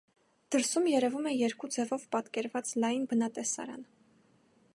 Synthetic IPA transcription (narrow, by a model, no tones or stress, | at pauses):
d̪̥əɾsumjɛɾɛvumɛjɛɾkud͡zɛvɔvpɑt̪kɛɾvɑt͡slɑjinbənɑt̪ɛsɑ̰ɾɑ̰n